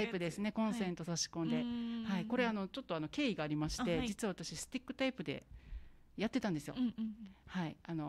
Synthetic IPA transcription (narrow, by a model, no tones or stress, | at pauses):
aipɯ̟d̪e̞sɨne̞kõ̞ɰ̃sẽ̞nt̪o̞saɕi̥kõnd̪e̞haiko̞ɾe̞ano̞t͡ɕo̞t̪ːoano̞kʲe̞ːiɡaːɾʲimaɕi̥t̪e̞d͡ʑit͡sɨβaβat̪aɕisɨ̥t̪ʲikːɯ̟t̪aipɯ̟d̪e̞̰ | jat̪ːe̞t̪ãnd̪e̞sɨjo̞̰haiano̞